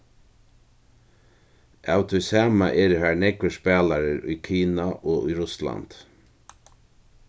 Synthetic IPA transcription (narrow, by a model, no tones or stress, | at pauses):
aːwt̪ʰɔjsaːmaʔɛːɾəɦaɹnɛkʋəspæːlaɾɪɾʊ̰jkʰiːnaʔoːʔʊ̰jɾʊsla̰nt̪